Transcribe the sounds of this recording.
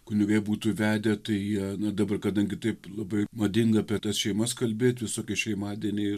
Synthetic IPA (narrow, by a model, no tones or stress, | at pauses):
kʊnʲɛɡɐlʲebuːt̪uːʋʲæːd̪ʲɛt̪ɐɪjiɛnɐd̪ɐbɐrkɐd̪ɐŋʲɡʲɪt̪ɐɪplˠɐbɐɪmɐd̪ʲɪŋɡɐɐpʲiɛt̪ɐsʃʲɛɪmɐskɐlʲbʲeːt̪ʲʋʲɪsoːkʲɛʃʲɛɪmɑːd̪ʲiɛnʲeːɪ